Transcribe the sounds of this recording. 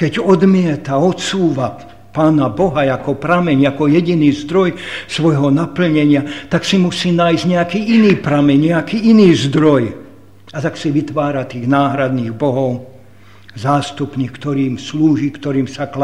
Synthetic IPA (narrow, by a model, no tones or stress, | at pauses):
kɛɟɔd̪mɪɛt̪aɔt̪suːʋa | paːnabɔɦajakɔpɾamɛɲakɔjɛɟiniːzd̪ɾɔjsʋɔjɦɔnapl̩ɲɛɲɪat̪aksimusiːnaːjzɲɛakiːʔiniːpɾamɛɲɲɛakiːiniːzd̪ɾɔj | at̪aksiʋit̪ʋaːɾat̪iːɣnaːɦɾad̪niːɣbɔɦɔʊ | zaːst̪upnikt̪ɔɾiːmsluːʒiːkt̪ɔɾiːmsakl